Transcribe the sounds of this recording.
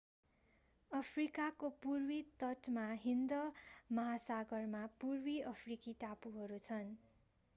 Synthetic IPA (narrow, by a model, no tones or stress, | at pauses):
ʌpʰrikakopurwit̪ʌʈmaɦind̪ʌmʌɦasaɡʌrmapurwiʌpʰrikiʈapuɦʌɾut͡sʰʌn